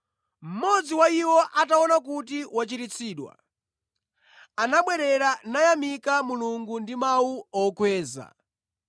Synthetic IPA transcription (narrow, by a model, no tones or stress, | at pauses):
m̩mɔd͡ziwaiwɔʔataɔnak̬utiwat͡ʃiɾit͡sʰiːɗwa̰ | anaɓwɛɾɛɾanajamikamuluŋɡundimawuɔkʰwɛːza̰